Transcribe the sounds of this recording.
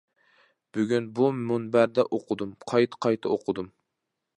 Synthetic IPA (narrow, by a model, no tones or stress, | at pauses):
b̥yɡʲynbumunbæɾd̪ɛʔoqʰʊd̪umqʰɑjt̪ʰə̥qʰɑjt̪ʰɨoqʰʊd̪um